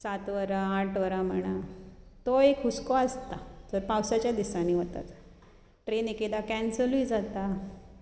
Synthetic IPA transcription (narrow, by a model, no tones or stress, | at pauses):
sat̪ʋəɾaːʈʰʋəɾam̤əɽ̃at̪oekʰɦuskɔəst̪ad͡zəɾpawsat͡ɕjad̪isãniːʋət̪a̰t̪ | ʈɾeneked̪akɛ̃nsəluid͡zat̪a